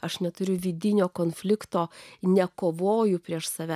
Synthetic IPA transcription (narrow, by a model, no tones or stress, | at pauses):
ɐʃnʲɛt̪ʊɾʲʊʋʲɪd̪ʲɪnʲoːkoːnʲfʲlʲɪkt̪oːnʲɛkoːʋoːjʊpʲɾʲiɛʃsɐʋʲɛ